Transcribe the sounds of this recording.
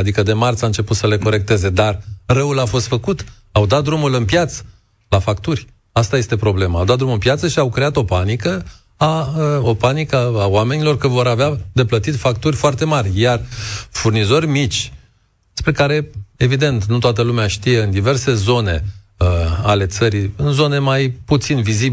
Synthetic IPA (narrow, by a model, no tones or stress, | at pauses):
ad̪ikəd̪e̞mart̪saɨnt͡ʃe̞put̪səle̞ko̞ɾe̞k̚t̪e̞ze̞d̪arrəulafo̞st̪fəkut̪ | awd̪at̪̚d̪ɾumulɨnpjat̪sə̥ | lafakt̪urʲ | ast̪aje̞st̪e̞pɾo̞ble̞məawd̪at̪d̪ɾumɨmpjat̪səʃiawkɾe̞at̪o̞panikə | aopanikəawame̞nilo̞rkəvo̞ɾavead̪e̞plət̪it̪fak̚t̪urʲfoart̪e̞marʲjarfurnizo̞rʲmit͡ʃʲ | spɾe̞kaɾe̞e̞vid̪e̞nt̪nut̪oat̪əlumeaʃt̪ije̞ɨnd̪ive̞rse̞zo̞ne̞̰ | əale̞t̪səɾiɨnzo̞ne̞majput̪sinvizib